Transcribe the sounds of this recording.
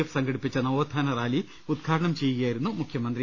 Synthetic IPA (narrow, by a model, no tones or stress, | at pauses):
efsɐŋɡɐɽipːit͡ɕːɐnɐʋoːd̪ʱaːnɐraːli | ud̪ɡʰʱaːɾɐɳɐmt͡ɕe̞jːuɣɐjaːjiɾunːumukʰjɐmɐnd̪ri